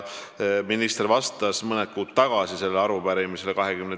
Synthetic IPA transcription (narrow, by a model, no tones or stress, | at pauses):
minist̪ervɑst̪ɑsmɤnet̪̚kuːd̪t̪ːɑɡ̥ɑsise̞lːeɑɾubæɾimise̞lekɑɦekymne